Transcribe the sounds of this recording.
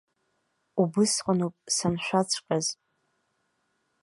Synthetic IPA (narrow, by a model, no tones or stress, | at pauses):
ubɨsqʷʼanopʼsanʃʷᶣat͡sʷʰkʼaz